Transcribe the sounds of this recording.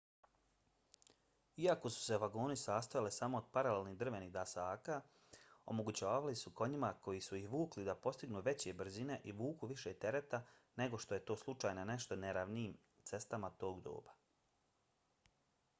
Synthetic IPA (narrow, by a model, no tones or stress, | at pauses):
iako̞su̥se̞ʋaɡo̞ːnisaːst̪ajalisamo̞ːd̪̥̚paɾalelniːɦd̪r̩ʋe̞niːɣd̪asaːka | o̞̰mo̞ɡut͡ɕaːʋalisuko̞ɲimako̞jisujixʋuːklid̪apo̞st̪iɡnuːʋe̞t͡ɕe̞br̩zine̞ʔiʋuːkuʋiʃet̪e̞ɾe̞t̪ane̞ɡo̞ʃt̪o̞je̞t̪o̞ːslˠut͡ʃaːjnane̞ʃt̪o̞neɾaʋniːm | t̪se̞st̪amat̪o̞ːɡd̪o̞̰ːbḁ